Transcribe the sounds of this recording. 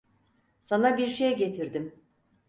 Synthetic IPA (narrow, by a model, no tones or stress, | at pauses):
sanabiɾʃejɛɟe̞t̪ʰiɾd̪im